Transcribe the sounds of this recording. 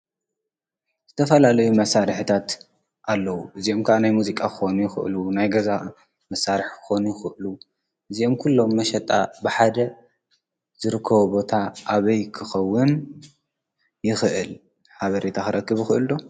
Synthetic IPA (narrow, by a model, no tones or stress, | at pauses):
z̥ɨt̪ʰɐfɐlalɐjumɐsːaɾɨħit̪ʰat̪ | ʔalːɐwuʔɨziomkʰɐʔanajmuzikʼakɨ̥xo̞nujɪxɨ̰ʔɨlunajɡɐza | mɐsːaɾiħkʰɨ̥xo̞nujɪxɨʔɨlu | ʔɨzio̞mkʰulːo̞mːɐʃɐt̪ʼa̰bɨħad̪ɐ | zɨɾɨkʰːɐβubo̞t̪ʰaʔaβɐjkʰɨxɐwːɨn | jɪxɨʔɨl | ħaβɐɾet̪ʰakɨɾɐkːɨβɪxɨʔɨld̪o̞